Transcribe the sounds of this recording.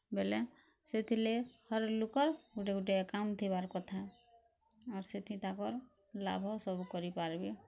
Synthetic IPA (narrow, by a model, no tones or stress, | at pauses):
belɛ | set̪ʰilehɔɾlukɔɾuʈeuʈekamt̪ʰebaɾkɔt̪ʰa | ɔɾset̪ʰit̪akɔɾ | la̰bʱɔsɔbukɔɾipaɾbe